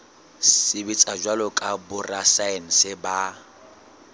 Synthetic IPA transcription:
sɪbɪt͡sʼad͡ʒwalɔkʼabʊrasaɪn̩sɪba

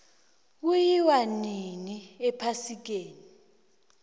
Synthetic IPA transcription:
k̬ujiwaniniɛpʰasik̬eːni

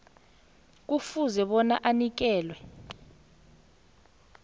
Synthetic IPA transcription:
k̬ufuzɛɓɔnaʔanik̬ɛːlwɛ

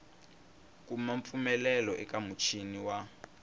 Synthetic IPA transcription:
kumaɱp̪fumɛlɛlɔʔɛkamut͡ʃʰiniwa

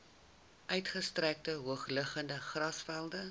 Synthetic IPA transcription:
ʔœɥtχəstræk̚təɦuəχləχəndəχrɐsfælˠdə

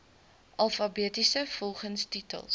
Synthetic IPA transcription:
ʔɐlˠfɐbiːtisəfɔlˠχənstitə̰lˠs

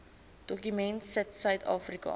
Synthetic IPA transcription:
d̥ɔkymɛntsətsœɥtʰɑːfrikɐ̰

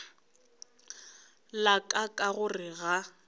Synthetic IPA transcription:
lakʼakʼaɣʊrɪɣa

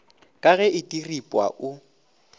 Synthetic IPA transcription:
kʼaɣɛɪtʼiripʼwa̰ʔʊ

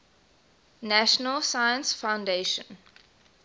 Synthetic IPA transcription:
næʃənəlsajə̃nsfãʊ̃ndeʃə̰̃n

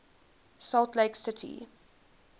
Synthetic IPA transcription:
salˠtleɪksətʰḭ

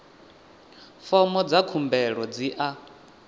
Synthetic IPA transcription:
fɔmɔd͡zakʰumbɛɺɔd͡ziʔa

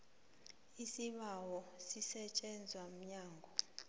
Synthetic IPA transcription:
isiɓawɔsisɛt͡ʃʼɛnd͡zʱwam̩ɲaːŋɡʱɔ

